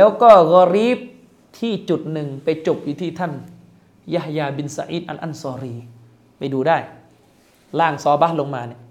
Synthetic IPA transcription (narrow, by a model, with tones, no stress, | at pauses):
lɛː˦˥wkɔː˥˩ɣɔ˧ɾiː˦˥p̚ | t̪ʰiː˥˩t͡ɕu˨˩t̪̚nɯ˨ŋpa˧jt͡ɕo˨˩p̚juː˧t̪ʰiː˥˩t̪ʰa˥˩n | ja˦˩hjaː˧bi˧nsa̰˧ʔḭː˦˥t̪̚ʔa̰˧nʔa̰˥˩nsɔː˧ɾiː˧ | ma˥˩jduː˧daː˥˩j | laː˥˩ŋsɔː˨˦ba˦˥lo˧ŋmaː˧ni˧˩